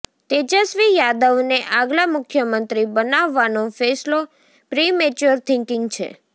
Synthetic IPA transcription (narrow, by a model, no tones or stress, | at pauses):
t̪ed͡ʒəsʋijad̪əʋneʔaɡlamʊkʰjəmənt̪ɾibənaʋːanofeslo | pɾimet͡ʃuəɾt̪ʰɪŋkɪŋɡt͡ʃʰḛ